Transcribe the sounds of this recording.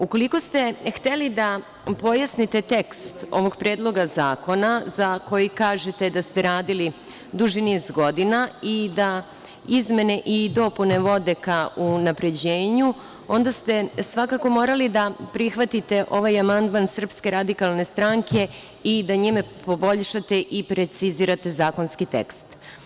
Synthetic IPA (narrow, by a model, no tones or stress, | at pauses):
uko̞liko̞st̪e̞xt̪elid̪a | po̞jasnit̪e̞t̪e̞kst̪o̞̰ʋo̞ɡpɾeːd̪lˠo̞ɡazaːko̞nazako̞jikaːʒet̪ed̪ast̪e̞ɾaːd̪ili | d̪uʒiniːzɡo̞d̪inaid̪a | izme̞neʔid̪o̞pune̞ʋo̞d̪ekaunapɾe̞d͡ʑeːɲu | o̞nd̪ast̪e̞sʋakako̞mo̞ːɾalid̪apɾixʋat̪it̪e̞ʔo̞ʋajamand̪mansr̩pske̞ɾad̪ikalˠne̞st̪ɾaŋkʰe̞ | id̪aɲimepo̞bo̞ʎʃat̪e̞ʔipɾe̞t̪siziːɾat̪e̞zaːko̞nskit̪ḛkst̪